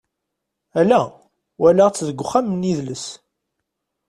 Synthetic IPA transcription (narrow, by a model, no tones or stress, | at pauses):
ælæ | wælæʁt͡sːðəɡʷːχæmːniðləs